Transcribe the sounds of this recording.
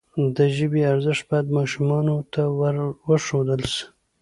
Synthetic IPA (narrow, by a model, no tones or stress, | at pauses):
d̪əʒəbeaɾzəʂt̪̚bɑjad̪mɑʃumɑnot̪awwəʂod̪əls